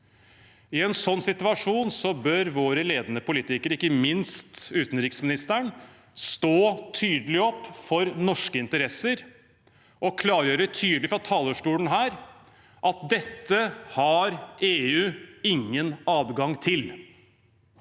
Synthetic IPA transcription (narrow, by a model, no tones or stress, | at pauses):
ɪɛnsɔnːsɪt̪ʉɑʂuːnsɔbøːɾʋoːɾəleːd̪ənəpʰʊliːt̪ɪkəɾɪkːəmɪnst̪ʉːt̪n̩ɾɪksmɪnɪst̪əɳ | st̪oːt̪ʰyːd̪əlɪɔpːfɔɾnɔʂkəɪnt̪əɾɛsəɾ | ʔɔkʰlɑːɾjøːɾət̪ʰyːd̪əlɪfɾɑt̪ʰɑːləʂʈuːlən̩ɦæːɾ | ʔɑt̪̚d̪ɛt̪ːəhɑɾeːʉːɪŋːənɑːdɡɑŋt̪ʰɪl